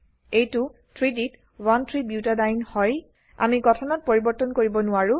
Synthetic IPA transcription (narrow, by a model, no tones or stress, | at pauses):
ejtʊ | tʰɹidit | wantʰɹibjutadajnhɔj | a̰miɡɔtʰɔnɔt̚poɹibɔɹtɔnkoɹibɔnʊaɹʊ